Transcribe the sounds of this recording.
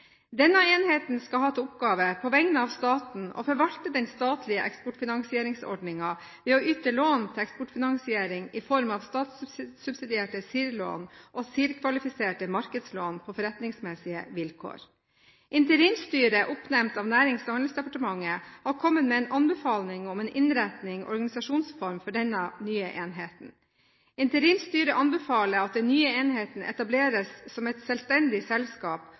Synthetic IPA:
d̪ɛnːəeːnheːt̪n̩skɑhɑːʊpɡɑːʋəpʰɔʋɛŋnəɑːʋst̪ɑːt̪n̩o̰ːfɔɾʋɑlt̪əd̪ɛnst̪ɑːt̪ʰlɪəʔɛ̰kspʊʈfɪnɑŋsɪeːɾɪŋsɔ̰ɖɳɪŋɑ | ʋeːoːʔʏt̪əɭoːnt̪ʰɪɛkspʊʈfɪnɑŋsɪeːɾɪŋɪfɔɾmɑʋst̪ɑːt̪sʉbsɪd̪ɪeːʈəsiːɾlo̰ːnʔoːsiːɾkʰʋɑlɪfɪseːʈəmɑɾkəd̪sloːnpʰofɔɾɛt̪nɪŋsmɛsɪə̰ʋɪlkʰo̰ːɾ | ʔɪnt̪əɾiːmst̪yːɾəʔʊpnɛmt̪ɑːʋnæːɾɪŋst̪hɑnlsd̪ɛpɑʈəmɑŋːəhɑɾkʰɔmːət̪meːnʔɑnbɛfɑːlnɪŋɔmeːnʔɪnɾæt̪nɪŋʔɔɾɡɑnɪsɑʂuːnsfɔɾmfɔɖɛnːənyːəʔeːnɦeːt̪n̩ | ɪnt̪əɾiːmst̪yːɾəʔɑnbɛfɑːləɾɑt̪̚d̪ɛnnyːəeːnɦeːt̪n̩ʔɛ̰t̪ɑbleːɾəsːɔmɛt̪sɛlst̪ɛnd̪ɪsɛlskɑːp

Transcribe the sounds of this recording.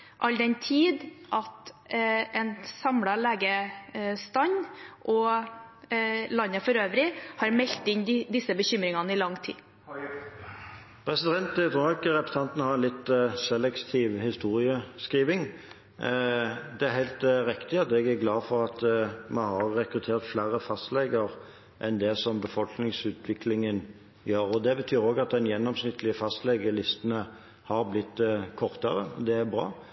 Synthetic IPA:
ʔɑld̪ɛnt̪ʰiːd̪ʔɑt̪ | ɛnsɑmɽɑleːɡəst̪ɑɲʔɔ | lɑnːəfɔɾøːʋɾɪhɑɾmɛlt̪ːɪnɪd̪ɪsːəbəçʏmɾɪŋɑnəɪlɑŋt̪ʰḭː | pʰɾɛsɪd̪ɛnt̪ɛt̪ʰɾuːɪkːəɾɛpɾə̥sɑnt̪n̩əhɑɾɛnlɪt̪sɛlːɛkt̪ʰiːʋhɪst̪uːɾɪəskʁiːʋɪŋ | d̪ɛæɾhæɪlt̪ɾɪkt̪ɪɑt̪ɛɡæɡlɑːfɔɾɑt̪mɑnhɑʁːɛkɾʉt̪ʰeːɾt̪flæɾəfɑst̪lɛɡəʁ | ʔɛnd̪ɛsɔmbəfɔlknɪŋsʉːt̪ʰʋɪklɪŋən | jøːɾɔd̪ɛbət̪ʰyːɾoːɡɑt̪̚d̪ɛnjɛnːɔmsnɪt̪ːlɪəfɑst̪lɛɡəlɪst̪ənə | hɑɾblɪt̪ːkʰɔʁt̪əʁəɔ̰d̪ɛæɾbɾɑ̰ː

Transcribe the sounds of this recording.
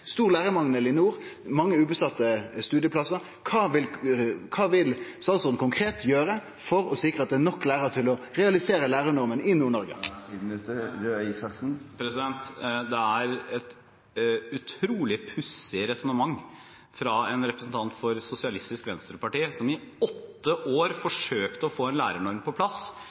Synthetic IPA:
st̪uːʁlæːʁəmɑŋnəlɪnuːʁmɑŋːəʉːbəst̪ɑt̪ːəst̪ʉːd̪jəpʰlɑsəɾ | kʰɑːʋɪlkʰɑːʋɪlsɑlsɔnkʊŋkʰɾeːt̪jøːɾə | fɔɾɔsɪkːʁəɑt̪̚d̪ɛænɔkːlæːɾət̪ʰɪlɔʁɛɑlɪseːɾəlæːʁəɳɔɾmənɪnuːɳɔɾɡə̰t̪əɾøisɑksn̩pʰɾɛsɪd̪ɛnt̪d̪ɛæɾɛt̪ | ʉt̪ʰɾuːlɪpʰʉsɪɾɛsɔnəmɑŋː | fɾɑɛnɾɛpɾəsn̩t̪ʰɑnt̪fɔɾsʊsɪɑlɪst̪ɪskʋɛnst̪ɾəpɑʈiːsɔmɪɔt̪ːəʔoːɾfɔʂøːkt̪əɔfoːɛnlæːɾəɳɔɾmpɔpʰlɑs

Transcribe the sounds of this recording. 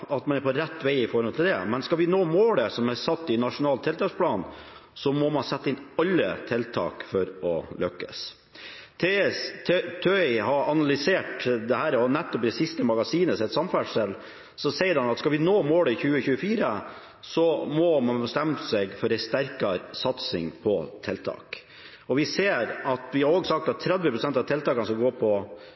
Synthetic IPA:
ɑt̪mɑnæɾpɔɾæt̪ːʋæɪɪfɔɾhɔnt̪ʰɪld̪ɛmɛnskɑlʋɪnoːmoːləsɔmæsɑt̪ːɪnɑʂʊnɑːlt̪ʰːɛlt̪ʰɑːkspʰlɑːn | sɔmɔmɑnsɛt̪ːəɪnɑlːə̰t̪ʰɛlt̪ʰɑ̰ːkfɔɾɔlʔœkːə̰s | t̪ʰe | t̪ʰœɪhɑɾɑnɑlʏseːʈd̪ɛhæːɾɔnɛt̪ːɔpd̪ɛsɪst̪əmɑɡɑsiːnəsɛt̪sɑmfæɖsɛl | sɔsɛɪəɾhɑnɑt̪skɑʋɪnoːmoːləçʉːəçʉːəfiːɾə | sɔmɔmɑnbəst̪æmsɛɡfɔɾɛɪst̪æɾkɑɾsɑt̪sɪ̰ŋpʰɔt̪ʰɛlt̪ʰɑ̰ːk | ɔʋɪseːɾɑt̪ʋɪhɑɾoːɡsɑk̚t̪ɑt̪ʰːɾɛd̪ʋəpʰɾʊsɛnt̪ɑʋt̪ʰɛlt̪ɑːkɑnəskɑɡoːpʰɔ

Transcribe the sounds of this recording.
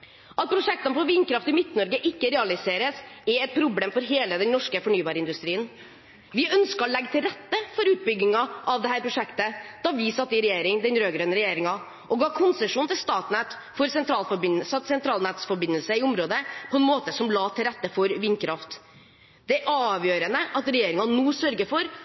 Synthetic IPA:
ʔɑt̪̚pʰɾʊʂɛk̚t̪ənəpɔʋɪːnkɾɑft̪ɪmɪt̪nɔɾɡəʔɪkːəɾɛːɑlɪseːɾəsɛɛt̪̚pʰɾʊbleːmfɔɾɦeːləd̪ɛnnɔʂkəfɔɳyːbɑːɾəɪnd̪ʉst̪ɾiːən | ʋɪʔœnskəɾɔlɛɡːt̪ʰɪlɾɛt̪ːəfɔɾʉːt̪̚bʏɡnɪŋɑʔɑʋd̪ɛɦæːɾpʰɾʊʂɛkt̪əd̪̥ɑːʋɪsɑt̪ːəɪɾɛjeːɾɪŋd̪ɛnɾøːɡɾøːnəɾɛjeːɾɪŋɑ | ʔɔɡɑːkʰʊnsəʂuːnt̪ʰɪlst̪ɑːt̪næt̪ | fɔɾsɛnt̪ʰɾɑːlfɔɾbɪnsɑsɛnt̪ʰɾɑːlnæːt̪sfɔbɪnːəlsəɪʊmɾoːd̪əpʰɔɛnmoːt̪əsɔmlɑːt̪ʰɪlɾɛt̪ːəfɔɾʋɪnːkʰɾɑft̪ | d̪̥ɛæɾʔɑːʋjøːɾənəʔɑt̪ɾɛjeːɾɪŋɑnuːsœɾɡəfɔɾ

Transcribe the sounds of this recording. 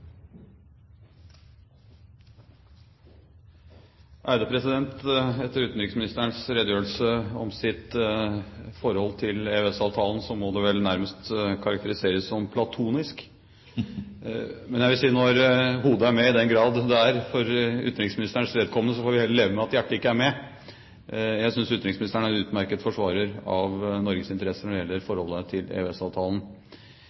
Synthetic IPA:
ʔæɪd̪əpʰɾɛsɪd̪ɛnt̪ɛt̪ːəɾʉːt̪n̩ɾɪksmɪnɪst̪əəɳsɾɛd̪jøːɾəlsəɔ̰msɪt̪ | fɔɾhɔlːt̪ʰɪlɛœɛsɑːʋt̪ʰɑːlnsɔmɔd̪ɛʋɛlnæɾməst̪kʰɑɾɑk̚t̪əɾɪseːɾəsːɔmpʰlɑt̪ʰuːnɪsk | mɛnjæɪʋɪlsiːnɔɾhuːd̪əæɾmɛɪd̪ɛnɡɾɑːd̪d̪ɛæɾfɔɾʏ̰t̪ɾɪŋsmɪnɪst̪əɳʂʋeːd̪̚kʰɔmənəs̬ɔfoːɾʋɪhɛːlːəleːʋəmɛɑt̪jæʈːəɪkːəæɾmɛ | jæɪsʏnsʉt̪ɾɪŋsmnɪst̪əɳæɾɛʉːt̪mæɾkət̪fɔʂʋɑːɾəɾɑʋnɔɾɡəsɪnt̪əɾɛsːənɔɖɛjɛlːəɾfɔɾhɔlːət̪ʰɪlɛ̰ʉɛsɑːʋt̪ʰɑːlən̩

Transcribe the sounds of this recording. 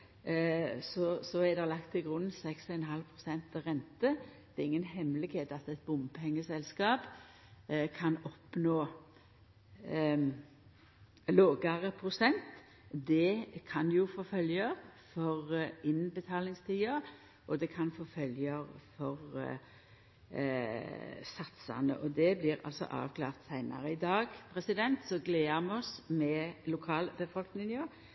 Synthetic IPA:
sɔsɔæd̪ɛlɑkt̪ʰːɪlɡʁʉnn̩sɛksɔɛnɦɑlpʰʁʊsɛnt̪əʁɛnt̪əd̪̥ɛɾɪŋːənhɛmlɪɡheːt̪ɑt̪ɛt̪̚bʊmɛŋːəsɛlskɑːp | kʰɑnɔpnoː | loːɡəʁəpʰʁʊsɛnt̪ | d̪ɛkʰɑnjʊfoːfœljəʁfɔʁɪnbət̪ʰɑːlɪŋst̪ʰiːə | ʔɔd̪ɛkʰɑnfoːfœljəʁfɔʁ | sɑt̪sɑ̰nə̰ʔɔd̪ɛblɪʁɑ̰lsɔ̰ʔɑ̰ːʋkʰlɑ̰ːʁt̪sæɪnɑ̰ʁəɪd̪ɑːɡpʰʁɛsɪd̪ɛnt̪sɔɡleːəmɛɔsmɛlʊkʰɑːlbəfɔlknɪŋə

